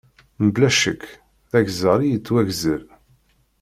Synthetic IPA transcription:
məblæʃəkː | θæʝzəɾˤijət͡sːwæʝzəɾ

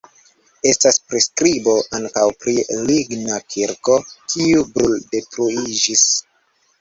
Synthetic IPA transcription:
e̞staspɾiskɾibo̞ʔaŋkawpɾiliɡnakʰiɾko̞kʰiubɾulde̞tɾuid͡ʒis

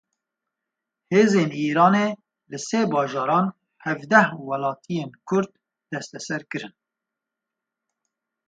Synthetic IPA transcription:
heːzeːniːɾɑːneː | lɨseːbɑːʒɑːɾɑːn | hɛvd̪ɛhwɛlɑːt̪ʰijeːnkʰʊɾd̪ | d̪̥ɛst̪ɛsɛɾkɨɾɨn

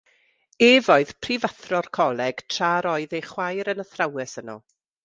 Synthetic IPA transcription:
eːvɔɨðpʰrivaθrɔrkʰɔlˠɛɡ̥tʰr̥aːɾɔɨðeχwajɾənəθrawɛsənɔ̰

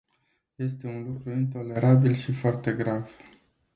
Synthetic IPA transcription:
je̞st̪e̞unlukɾuint̪o̞le̞ɾabilʃifoart̪e̞ɡɾav̥

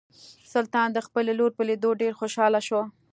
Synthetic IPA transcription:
sʊlt̪ɑnd̪əxpəleloɾpəled̪oɖeɾxoʃɑlaʃwo

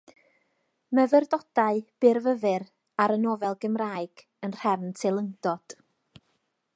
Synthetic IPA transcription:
məvərdɔd̥aɨb̥ɪrvəvɨr | aɾənɔvɛlˠɡəmraːɨɡ̥ | ənr̥ɛvntʰelˠəŋdɔd̥

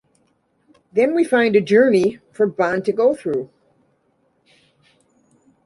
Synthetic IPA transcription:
ðɨ̃nwifãɪ̃ndɨd͡ʒɜ˞nifə˞bɑ̃ntɨɡoʊθɹʉ

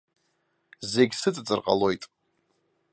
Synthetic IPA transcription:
ze̞ɡʲsɨt͡sʼt͡sʼɨrqʼa̰lo̞jtʼ

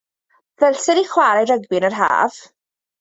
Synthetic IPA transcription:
vɛlsɪɾiχwaːɾajɾəɡbɪnərɦa̰ːv̥

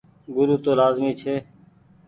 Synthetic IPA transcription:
ɡʊɾuːt̪oːlaːzmiːt͡ʃʰeː

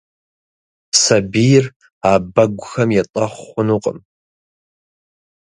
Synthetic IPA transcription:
sabijr | abaɡʷxɐmjatʼaχʷʊnuqʼə̰m

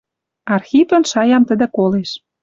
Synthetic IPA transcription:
ɑrxipə̆nʃɑjɑmt̪ə̆d̪ə̆koleʃ

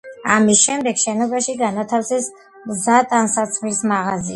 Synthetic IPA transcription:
amisʃɛmd̪ɛɡʃɛnɔbaʃiɡanat̪ʰafsɛs | mzat̪ʼansat̪sʰχlismaʁazia

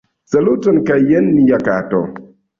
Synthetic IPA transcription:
sɐlutɔnkajːɛnːijaka̰ːtɔ̰

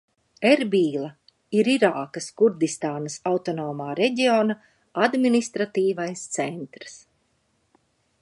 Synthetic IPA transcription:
eɾbiːlˠa | iɾiɾaːkaskuɾd̪ist̪aːnɐsawt̪ɔnoːmaːɾɛɟʲioːna | ad̪minist̪ɾat̪iːvajst̪sɛnt̪ɾs

